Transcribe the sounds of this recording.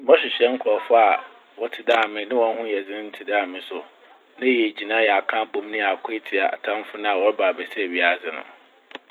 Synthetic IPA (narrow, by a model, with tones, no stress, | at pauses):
mɔ̃˦ɕɪ˨ɕɛ̃˦ŋ̩˦kʰɔ˨fa˦a˨ | wɔ˦tʰɪ˨daː˦˨mɪ̃˦nɪ̃˦wɔ̃˦n˦hʊ̃˦jɛ˨d͡zɪ̃˦nɪ̃˦n̩˦tʰɪ˨da˦˨mɪ̃˦sʊ˨ | nɪ̃˦jɛ˨d͡ʑi˨nãː˦jɛ˨a˨kʰã˦bõ˨m˦nɪ̃˦a˨kʷʰʊ˦e˦tʰɪ˨a̰˨a˨tʰã˦m˦fʊ˦nã˦a˨wɔ˦ɾbaː˨bɛ˨sɛ˦˨ɥi˦a˦˨zɪ˨nʊ̰̃˨